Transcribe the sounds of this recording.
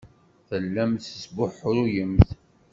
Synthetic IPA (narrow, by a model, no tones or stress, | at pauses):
θəlːæmθəsbʊħʊɾujəmθ